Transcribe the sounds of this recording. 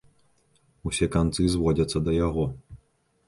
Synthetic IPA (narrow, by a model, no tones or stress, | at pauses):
usʲɛkant̪sɨzvɔd͡zʲɐt̪sːɐd̪ɐjaɣɔ